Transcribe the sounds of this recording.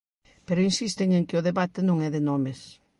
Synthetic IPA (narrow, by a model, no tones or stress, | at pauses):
peɾʊinsist̪eŋẽŋkɪʊðeβat̪ɪnõŋɛðɪnɔmɪs